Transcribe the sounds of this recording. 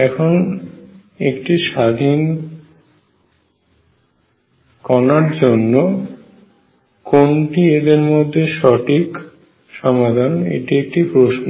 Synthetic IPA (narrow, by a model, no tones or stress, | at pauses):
ɛkʰon | ekʈiʃad̪ʱin | kɔnaɾd͡ʑonːo | konʈied̪eɾmod̪ʱːeʃɔʈʰik | ʃɔmad̪ʱanḛʈiek̚ʈipɾoʃno